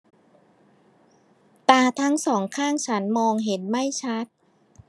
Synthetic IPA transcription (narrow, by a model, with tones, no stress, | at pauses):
t̪aː˧t̪ʰa˦˥ŋsɔː˩˦ŋkʰaː˥˩ŋt͡ɕʰa˦˥nmɔː˧ŋɦe˩˦nma˥˩jt͡ɕʰa˦˥t̪̚